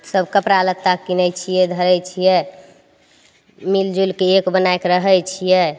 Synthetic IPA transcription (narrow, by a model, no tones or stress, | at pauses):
səbʱkəpɾalət̪ːakinɛt͡ʃʰijɛd̪ʱəɾɛjt͡ʃʰijɛ | mild͡ʒulkeekbənajkɾəɦəjt͡ʃʰijɛ